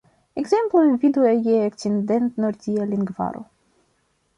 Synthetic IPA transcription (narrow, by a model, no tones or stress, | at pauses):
ɛɡzɛmplujvid̪uɛjɛɛkt͡sind̪ɛnt̪nɔɾdialiŋɡva̰ɾṵ